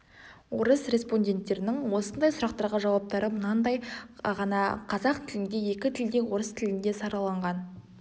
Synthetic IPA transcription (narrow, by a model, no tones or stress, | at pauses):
wo̞ɾəsrʲe̞spo̞nʲdʲe̞nt̪ːe̞ɾɪnɪŋwo̞sənd̪ɑjsʊɾɑqt̪ɑɾʁəʒɑwɑp̚t̪ɑɾəmənɑnd̪ɑjʁɑnɑqʰɑzɑqt̪ʰɪlɪnd̪e̞je̞kʲɪt̪ʰɪld̪e̞wo̞ɾəst̪ʰɪlɪnd̪e̞sɑɾɑlˠɑɴʁɑn